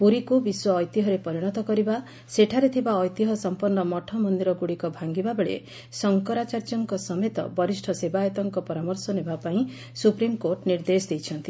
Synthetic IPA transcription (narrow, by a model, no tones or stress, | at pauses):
puɾikubiswɔːjt̪iɦɔɾepɔɾiɽ̃ɔt̪ɔkɔɾiba | seʈʰaɾet̪ʰibaɔjt̪iɦɔsɔmpɔnːɔmɔʈʰɔmɔnd̪iɾɔɡuɽikɔbʱaŋɡibabeɭḛ | sɔŋkɔɾat͡ʃaɾd͡ʒɔŋkɔsɔmet̪ɔ̰bɔɾisʈʰɔsebajɔt̪ɔŋkɔpɔɾamɔɾsɔnebapaĩ | supɾimkoʈniɾd̪esd̪ejt͡ʃʰʌnt̪i